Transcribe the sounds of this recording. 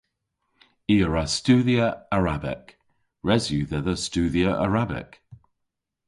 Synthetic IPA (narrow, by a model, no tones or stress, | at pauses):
iːəɹastʉːðiəəɹabɪ̰k | ɹɛzjʉːðəðəstʉːðiəʔə̰ɹabɪ̰k